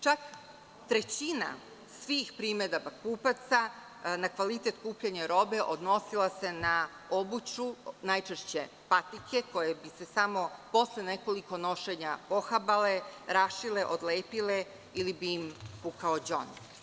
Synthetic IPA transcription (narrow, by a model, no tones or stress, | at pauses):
t͡ʃak | t̪ɾe̞t͡ɕina̰ | sʋiːxpɾiːmed̪abakuːpat̪sa | nakʋalit̪e̞t̪kuːpʎaɲaɾo̞be̞ʔod̪no̞silˠase̞na | o̞but͡ɕunajt͡ʃeʃt͡ɕe̞ | pat̪ikʰe̞ko̞jebise̞samo̞po̞slene̞ko̞liko̞no̞ʃeɲapo̞xabale̞ɾaʃile̞ʔod̪leːpile | ilibiːmpukaod͡ʑo̰ni